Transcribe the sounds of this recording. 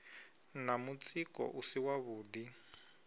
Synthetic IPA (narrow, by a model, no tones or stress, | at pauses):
namut͡sʼikɔ̰ʔusiwaβuːdi